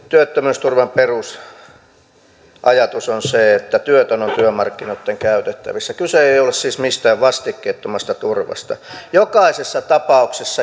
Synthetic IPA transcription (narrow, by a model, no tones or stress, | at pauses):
t̪yøt̪ːømyst̪urʋɑmperus | ʔɑjɑt̪usonseet̪ːæt̪yøt̪ønont̪yømɑrkːinot̪ːeŋkæyt̪et̪ːæ̰ʋisːækyseeiolessiːsmist̪æːʋʋɑst̪ikːeːt̪ːomɑst̪ɑt̪urʋɑ̰st̪ɑ̰jokɑisesːɑt̪ɑpɑuksesːɑ